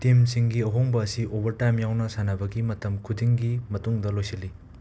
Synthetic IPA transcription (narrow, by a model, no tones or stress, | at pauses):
timsiŋɡiɐɦoŋbɐːsiʔobɐɾtajmjawnɐsanɐbɐɡimɐtɐmkʰudiŋɡimɐtuŋdɐlojsilːi